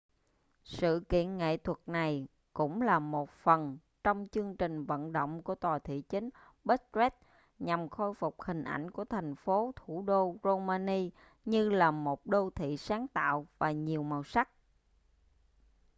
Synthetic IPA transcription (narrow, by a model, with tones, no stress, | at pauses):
sɨ̰˧˨kḭ˧˨ənŋḛ˧˨t̪ʰwə˨˩t̚na˨˩j | kʊ̰˧˥ŋ͡mlaː˨˩mo˨˩t̚fə˨˩n | t͡ɕɔ˧wŋ͡mt͡ɕɨ˧əŋt͡ɕï˨˩ŋ̟və̰˧˨nɗo̰˧˨wŋ͡mku˧˩ət̪waː˨˩t̪ʰḭ˧˨t͡ɕï˨˦ŋ̟ | ɓə˦˥t̚zɛ˦˥t̚ | ɲa˨˩mxo˧jfʊ˨˩k͡p̚hï˨˩ŋ̟ʔa̰˧˩jŋ̟ku˧˩ət̪ʰa˨˩ŋ̟fo˨˦t̪ʰu˧˩ɗo˧zo˧maː˧ni˧ | ɲɨ˧laː˨˩mo˨˩t̚ɗo˧t̪ʰḭ˧˨saː˨˦ŋt̪a̰ː˧˨wvaː˨˩ɲi˨˩əwma˨˩wsa˦˥k̚